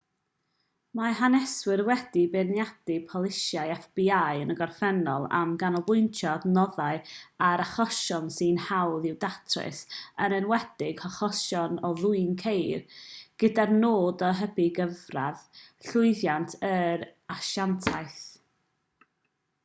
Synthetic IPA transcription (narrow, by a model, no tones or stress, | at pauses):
maɦanɛswɪrwɛdibɛnjad̥ɪpʰɔlˠɪʃjajɛfb̥iajənəɡɔrfɛnɔ̰lˠa̰mɡanɔbʊjntʰjadnɔðaɨaɾaχɔʃɔnsinhawðɪwdatʰrɪ̰sənənwɛdɪɡ̥hɔχɔʃɔnɔðʊɨnkʰejrɡ̥ədarnoːdɔɦəbiɡəvraðɬʊɨðjantʰəɾaʃantʰajθ